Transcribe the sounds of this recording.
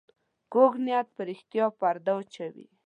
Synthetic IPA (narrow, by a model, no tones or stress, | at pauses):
koɡnjat̪̚pəɾɪxt̪jɑpaɾd̪awt͡ʃawḭ